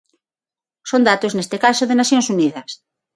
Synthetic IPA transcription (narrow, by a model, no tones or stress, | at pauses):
sond̪at̪oznest̪ekasoðenaθjoŋsuniðɐs